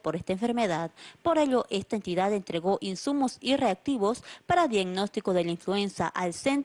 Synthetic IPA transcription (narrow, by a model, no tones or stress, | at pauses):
po̞ɾe̞st̪aeɱfe̞ɾme̞ðaðpo̞ɾe̞ʎo̞ʔe̞st̪aent̪iðaðe̞nt̪ɾe̞ɣo̞ʔinsumo̞sire̞ak̚t̪iβo̞spaɾaðjaɡno̞st̪iko̞ðe̞lainflue̞nsja̰ʔalse̞n